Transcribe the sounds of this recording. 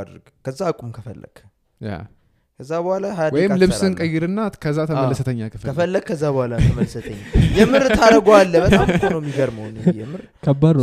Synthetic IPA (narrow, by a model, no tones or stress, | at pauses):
d̪ɾɨɡkʰəzːakʼumkʰəfəlːə̰ɡ̥ | ja̰ | kʰəzːabəhalaɦad̪wɔijɪmlɨβsɨnkʼəjːɪɾɨnːat̪kʰəzːat̪ʰəmlːəsət̪ʰəɲːakʰɨfkəfəlːəɡ̚kʰəzːabəhʷalaəmələsət̪ʰəɲːajɛmɨɾt̪ʰaɾəɡoalːəbət̪amnəwmːiɡəɾməwnɨijɛmɨɾ | kʰəbːad̪